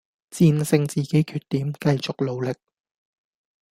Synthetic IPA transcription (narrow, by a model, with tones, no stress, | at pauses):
t͡siː˧nsɪ˧ŋt͡siː˨ke˨˥jkʰyː˨˩t̚t̪iː˨˥mkɐ˧jt͡sʊ˨k̚lo˨˧wlɪ˨k̚